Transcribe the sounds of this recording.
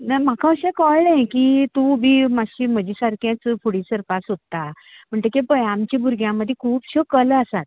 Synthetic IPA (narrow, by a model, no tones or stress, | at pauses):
nam̤akʰãəɕãkɔlnãkit̪ũbʱimaɕim̤əd͡ʑisaɾkjãt͡sfʰuɽĩsəɾpasot̪ːa | m̤əɳʈ̪ekepəjamt͡ɕibʱuɾɡʱjãməd̪ʱːekʰuːpɕəkələsat̪̚